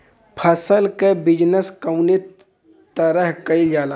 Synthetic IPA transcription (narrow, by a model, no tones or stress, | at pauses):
pʰəsəlkebɪd͡ʒnəskəwne | t̪əɾəɦkɐid͡ʒaːla